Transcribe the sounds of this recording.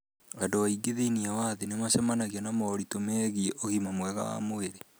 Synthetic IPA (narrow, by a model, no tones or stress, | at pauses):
ɣadowaiɡeðeiniawaðenemaʃɛmanaɣianamɔːɾitomɛɣiʔoɣimamwɛɣa̰wa̰moeɾe